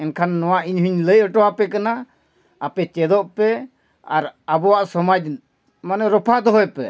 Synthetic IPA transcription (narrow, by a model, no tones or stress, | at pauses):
ɛnkʰanːɔwaʔiɲɦuɲləjɔʈɔwapɛkana | apɛt͡ʃɛd̪ɔʔpɛ | aɾabɔwaʔsɔmad͡ʒ̚ | manɛɾɔpʰad̪ɔɦɔjpɛ̰